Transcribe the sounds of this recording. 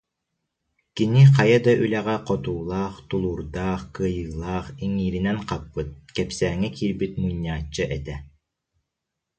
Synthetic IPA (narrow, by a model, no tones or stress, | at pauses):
kiniqɑjad̪aʔylɛʁɛqɔt̪uːlˠaːχt̪ulˠuːɾd̪aːχkɯɐjɯːlˠaːχiŋiːɾinɛnqapːɯt̪̚kɛpsæːŋɛkiːɾbit̪̚muɲːaːt͡ɕːɯʔɛt̪ɛ